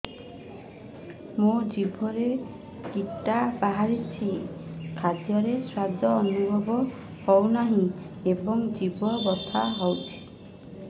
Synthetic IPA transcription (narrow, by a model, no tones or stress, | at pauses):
mod͡ʒibʱɔɾe | kiʈːapaɦaɾit͡ʃʰikʰad̪jɔɾeswad̪ʱːɔːnubʱɔbɔ | hɔwnaɦĩ | ebɔŋd͡ʒibɔbɔst̪ʰaɦɔwt͡ʃʰi̥